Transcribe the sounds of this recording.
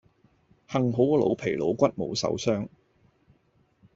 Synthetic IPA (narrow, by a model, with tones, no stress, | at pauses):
hɐ˨ŋɦo˨˥wkɔ˧lo̰˨˧wpʰe˨˩jlo˨˧wkʷɐ˥t̚mo̰˨˧wsɐ̰˨˥wsœː˥ŋ